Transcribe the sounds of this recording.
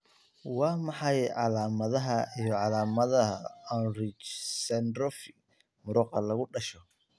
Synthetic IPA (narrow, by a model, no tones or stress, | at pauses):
wɑːmɑħɑjʕɑlaːmɐðɐɦɐijɞʕɑlaːmɐðɐɦɐɔnrɪt͡ʃsɛnd̪ɾɔfɪ | mʊɾɔːqɑlɐɣʊɖɐʃɔ